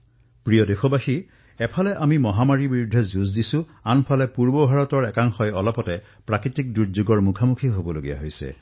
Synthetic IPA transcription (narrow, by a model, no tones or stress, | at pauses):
pɹijɔdexobaxi | ɛpʰalɛʔamimɔɦamaɹibiɹudʱːɛzuzdisʊ̃ | anpʰalɛpuɹbɔbʱaɹɔtɔɹɛkaŋxɔjɔlɔpɔtɛ | pɹakɹitik̚duzuɡɔɹmukʰamukʰiɦobɔloɡija̰ɦojsɛ̰